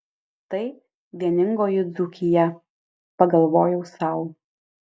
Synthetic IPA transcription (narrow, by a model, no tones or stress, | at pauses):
t̪ɐɪ | ʋʲiɛnʲɪŋɡoːjʊd̪zʊkʲɪjɛ | pɐɡɐlˠʋoːjɛʊsɑˑʊ